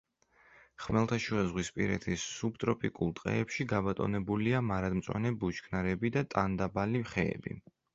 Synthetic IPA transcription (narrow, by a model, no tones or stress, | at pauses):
χmɛlˠt̪ʰaʃuɛzʁwispʼḭɾɛ̰t̪ʰisːub̚t̪ʼɾɔpʼikʼulˠt̪ʼqʼɛ̰ɛpʃiɡabat̪ʼɔ̰nɛbuliamaɾad̪mt̪sʼwa̰nɛbut͡ʃkʰnaɾɛbid̪at̪ʼand̪abaliχɛɛ̰bḭ